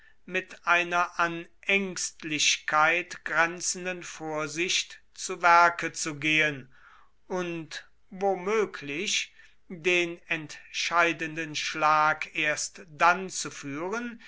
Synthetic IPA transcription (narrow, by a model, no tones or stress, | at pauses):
mɪtʔaɪnɐʔanʔɛŋstlɪɕkʰaɪtɡ̥ʁɛnt͡sən̩dənfoːɐzɪçt | t͡suvæɐkət͡suɡeːən | ʔʊnt | vomøːkʰlɪç | deːnɛntʃaɪdəndənʃlaːkʰeːɐstd̥ant͡sufyːʁən